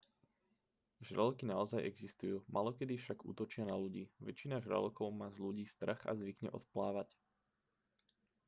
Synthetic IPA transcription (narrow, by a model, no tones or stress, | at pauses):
ʒɾalkinaɔzajɛɡzist̪ujuːmʔalɔkɛd̪ifʃaɡṵːt̪ɔt͡ʃɪanaluɟiːʋɛt͡ʃinaʒɾə̰lkɔʊmaːzʎuɟiːst̪r̩xa̰zʋikɲɛ̰ʔɔ̰t̪plaːʋac